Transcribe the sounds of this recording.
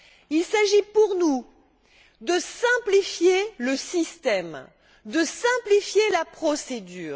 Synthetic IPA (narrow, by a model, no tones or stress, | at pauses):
ilsaʒipuʁnu | d̪əsɛ̃plifjeləsist̪ɛm | d̪əsɛ̃plifjelapχɔsed̪yːʁ